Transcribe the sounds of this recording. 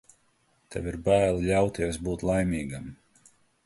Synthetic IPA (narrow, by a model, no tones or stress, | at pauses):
t̪ɛ̰viɾbæːlˠlʲawt̪iɛs̬buːt̪lˠajmʲiːɡam